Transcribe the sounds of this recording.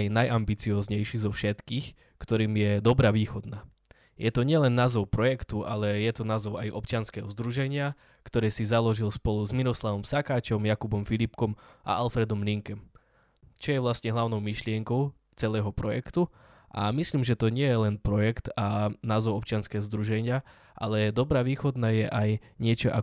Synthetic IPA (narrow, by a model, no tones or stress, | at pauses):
jnajʔambit͡siɔːzɲɛjʃizɔfʃɛt̪kiːx | kt̪ɔɾiːmjɛd̪ɔbɾaːʋiːxɔd̪naː | jɛt̪ɔɲɪɛlɛnːaːzɔʊpɾɔjɛkt̪uʔalɛjɛt̪ɔnaːzɔʊajʔɔpt͡ʃɪanskɛɦɔzd̪ɾuʒɛɲɪa | kt̪ɔɾɛːsizalɔʒilspɔluzmiɾɔslaʋɔmsakaːt͡ʃɔmjakubɔmfilipkɔmʔa̰ʔalfɾɛd̪ɔmliŋkɛm | t͡ʃɔjɛʋlast̪ɲɛɦlaʊnɔʊmiʃlɪɛŋkɔʊ | t͡sɛlɛːɦɔpɾɔjɛ̰kt̪u | ʔa̰misliːmʒɛt̪ɔɲɪɛjɛlɛnpɾɔjɛkt̪anaːzɔʊɔpt͡ʃɪanskɛːɦɔzd̪ɾuʒɛɲɪa | ʔa̰lɛd̪ɔbɾaːʋiːxɔd̪najɛʔajɲɪɛt͡ʃɔʔa̰